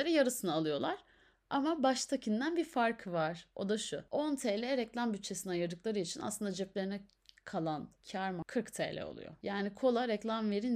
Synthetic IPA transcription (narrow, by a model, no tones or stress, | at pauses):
eɾijaɾɯsɯnaːlˠɯjo̞lˠaɾ̥ | amabaʃt̪ʰacʰind̪ænbifaɾkʰɯvaɾ̥o̞̰d̪aʃuont̪ʰeːlʲɛɾɛclʲˠambyt͡ʃʰːe̞siniajɯɾd̪ɯklˠaɾɯit͡ʃʰina̰slˠɯnd̪ad͡ʒɛplʲeinɛ | kʰalˠancʰaɾmakʰɯɾkt̪ʰḛːlʲɛ̰o̞̰lˠṵjo̰jaːnikʰo̞lˠaɾɛclʲˠamve̞ɾin